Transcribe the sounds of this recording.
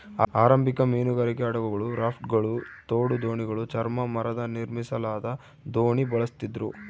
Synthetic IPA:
aːɾɐmbikɐmiːnuɡɐɾikeɐɽɐʋɐɡɐɭuɾaːpʰʈɡɐɭut̪oːɽud̪o̞ːɳiɡɐɭut͡ʃɐɾmɐmɐɾɐd̪ɐniɾmisɐlaːd̪ɐ | d̪oːɳibɐɭɐst̪id̪ɾu

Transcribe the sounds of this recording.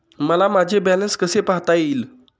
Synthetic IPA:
məlamad͡ʑʱebɛlənskəsepaɦt̪ajiːl

